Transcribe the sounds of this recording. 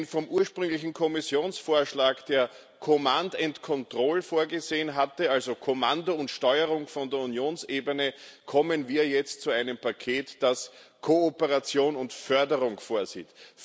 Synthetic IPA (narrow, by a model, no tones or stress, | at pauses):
nfɔmʔuːɐʃpʁʏŋlɪçn̩kʰɔmɪsjoːnsfoːɐʃlaːkd̥eːɐ | kʰomandɛntkʰɔntʁ̥ɔlfoːɐɡəzeːənɦatəalzokʰomandoʊntʃtɔʏəʁʊŋfɔndeːɐunjoːnsʔeːbənəkʰɔmənviːɐjɛt͡stt͡suæɪnəmpakʰeːtd̥askʰoopəʁat͡sjoːnʊntfœɐdəʁʊŋfoːɐzḭːt